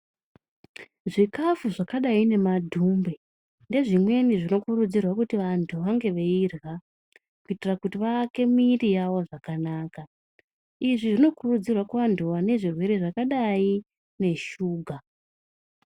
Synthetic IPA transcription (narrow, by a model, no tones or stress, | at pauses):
ʐikafuʐakaɗaine̞madʱumbe̞ | nde̞ʐimwe̞niʐino̞kurud͡zirwakutiʋantʰuʋaŋɡe̞ʋeirɣa | kuitirakutiʋaːke̞mirijaʋo̞ʐakanaːka | iʐiʐino̞kurud͡zirwakwandʱuʋane̞ʐirwe̞ɾe̞ʐakaɗai | ne̞ʃuːɡʱa